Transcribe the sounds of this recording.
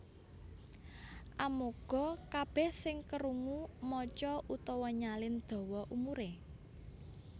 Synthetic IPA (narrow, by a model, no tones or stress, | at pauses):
ʔamoɡ̥ɔ̤kab̥ɛhsɪŋkəɾuŋumɔt͡ʃɔʔut̪ɔwɔɲalɪnd̪̥ɔ̤wɔʔumuɾe